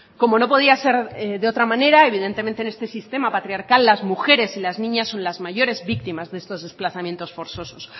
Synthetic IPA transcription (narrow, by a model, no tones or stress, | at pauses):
ko̞mo̞no̞po̞ð̞iase̞ɾðeo̞t̪ɾamãne̞ɾae̞β̞ið̞e̞nt̪e̞ment̪ene̞st̪e̞sist̪e̞mapat̪ɾiaɾkalːazmuxe̞ɾe̞silaznĩɲasːo̞nlazmaʝo̞ɾe̞zβik̚t̪imazðe̞st̪o̞zðe̞splaθamje̞nt̪o̞sfo̞ɾθo̞so̞s